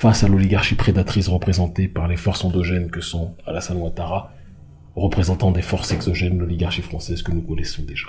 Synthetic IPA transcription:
fasalɔliɡaʁʃipχed̪at̪χisʁəpχezɑ̃t̪epaʁlefɔʁsɑ̃d̪ɔʒɛnkəsɔ̃alasalw̃ãt̪aʁa | ʁəpχezɑ̃t̪ɑ̃d̪efɔʁsɛɡzɔʒɛnlɔliɡaʁʃifχɑ̃sɛzkənukɔnɛsɔ̃d̪eʒ̥ḁ

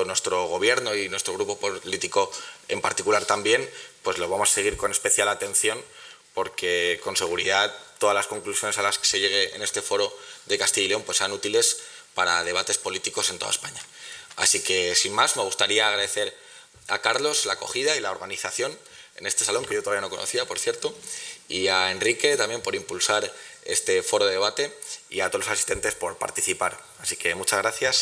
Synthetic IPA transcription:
nwe̞st̪ɾo̞ɣ̞o̞βje̞ɾno̞inwe̞st̪ɾo̞ɣ̞ɾupo̞polit̪iko̞e̞mpaɾt̪ikulaɾt̪ambje̞npwe̞zlo̞β̞amoase̞ɣ̞iɾko̞ne̞spe̞θjalat̪ẽ̞nθjo̞n | po̞ɾke̞ko̞nse̞ɣ̞uɾiðat̪ːo̞ðazlasko̞ŋklusjo̞ne̞salaskese̞ʝe̞ɣ̞e̞ḛne̞st̪e̞fo̞ɾo̞ðe̞kast̪iʎileo̞mpwesːeanut̪ile̞s | paɾa̰ðe̞βat̪e̞spo̞lit̪iko̞se̞nt̪o̞ða̰ḛspaɲa | asike̞simmːazme̞ɣ̞ust̪aɾiaːɣɾaðe̞θe̞ɾ | a̰kaɾlo̞zlako̞̰xiðailaoɾɣaniθaθjo̞ne̞̰ne̞st̪e̞salo̞ŋke̞jot̪oaβijano̞ko̞nʔo̰θiapo̞ɾθjeɾt̪o̞iae̞nrike̞t̪amje̞mpo̞ɾimpulsaɾe̞̰st̪e̞fo̞ɾo̞ðe̞e̞βat̪e̞ḭat̪olosasi̥st̪e̞nt̪e̞spo̞ɾpa̰ɾt̪iθipaɾ | asike̞mut͡ʃazɣɾaθjas

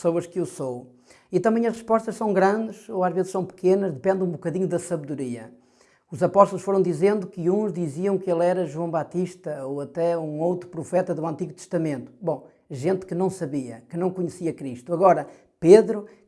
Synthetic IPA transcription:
soɐʃkewsow | it̪ɐ̃mbɐ̃j̃ɐʃʁɨʃpɔʃt̪ɐʃsɐ̃w̃ɡɾɐ̃nd̪ɨʃoaʒvezɨʃsɐ̃w̃pɨ̥kenɐʒðɨpẽnd̪ũbukɐðiɲuðɐsɐβðuɾiɐ̰ | uzɐpɔʃt̪ulˠuʃfoɾɐ̃w̃d̪izẽnd̪ukɨũʒðiziɐ̃w̃kelˠɛɾɐʒwɐ̃w̃bat̪iʃt̪ɐoɐt̪ɛũowt̪ɾupɾufɛt̪ɐðuɐ̃nt̪iɣut̪ɨʃt̪ɐmẽnt̪u̥bõ | ʒẽnt̪kɨnɐ̃w̃sɐβiɐ̰kɨnɐ̃w̃kuɲɨsiɐkɾiʃt̪uɐɣɔɾɐ | peðɾu

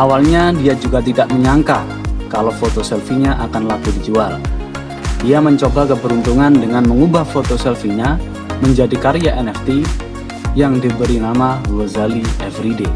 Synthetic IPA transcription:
ʔawalɲadiad͡ʒuɡat̪idaʔməɲaŋka | kalowfot̪osɛlfiɲaʔakanlaɡudid͡ʒual | diaməɲt͡ʃobakəpəɾunt̪uŋandəŋanməŋubahfot̪osɛlfiɲa | məɲd͡ʒadikaɾiaʔɛnɛft̪i | jaŋdibəɾinamalozaliɛfɾide

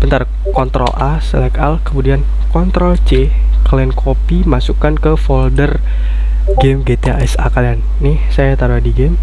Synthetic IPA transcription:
b̥ənt̪ar | kɔnt̪ɾɔ̰lʔasə̰lɛkalkəmudian | kɔnt̪ɾɔlt͡ʃe | klɛnkʰopimasukankəfɔldər | ɡɛmɡet̪eaɛsa̰kalianːɪhsajat̪aɾuɦadiɡɛm

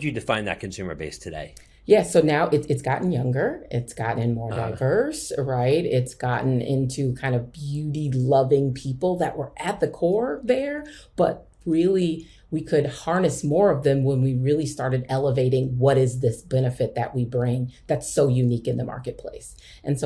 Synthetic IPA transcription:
d͡ʒɨdɨfãɪ̃nðɨ̰t̚kʰɨ̃n̩sʉmə̰˞bḛɪstʰɨdḛɪ | jæsoʊnaʊʔɨtɨtsɡ̥ɑ̰ʔn̩jʌ̃ŋɡə˞ʔɪtsɡ̥ɑ̰ʔñnmɔɹddaɪvɜ˞sɹaɪtɪtsɡ̥ɑʔn̩ɪ̰̃ntʰʉkʰãɪ̃ndʌvbjʉɾilʌvɪ̃ŋpʰipl̩ˠðɨʔ̚wə˞ʔɨt̪̚ðɨkʰɔɹðə˞b̥ʌ̰t̚ | ɹɪlˠi | wikʰɨd̚hɑɹnɨsmɔɹʌvðɨ̃mwə̃nwiɹɪlˠistɑɹɾɨɾɛlˠəveɪɾɪ̃ŋwʌɾɪzðɪsb̥ɛnɨfɨt̪̚ðɨ̰ʔ̚wibɹɪ̃ŋðætsoʊjʉnikɨ̃nðəmɑ̰ɹkɨt̚pʰl̥ḛɪs | ʔɨ̃nso

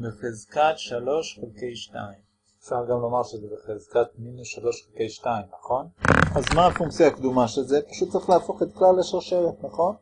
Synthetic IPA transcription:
beχezkat̪ʃalo̞ʃχelkejʃta̰im | efʃaʁɡamlomaʁʃezebeχezkat̪̚minusʃalo̞ʃχelke̞jʃtaimnaχo̞nazmaːfuŋkt͡sjakd̪umaʃelzepaʃut̪tt͡saʁiχleafo̞χet̪̚klaleʃeʁʃeʁet̪naχo̞n

